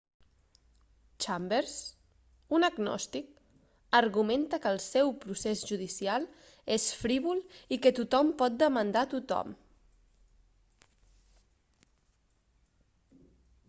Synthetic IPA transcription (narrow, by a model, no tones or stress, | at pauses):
t͡ʃambeɾs | unəɡnɔ̰st̪ik | əɾɣument̪əkəlˠsɛwpɾusezʒuð̞isialˠ | esfɾiβulikət̪ut̪ɔmpɔt̪̚d̪əmənd̪at̪ut̪ɔ̰m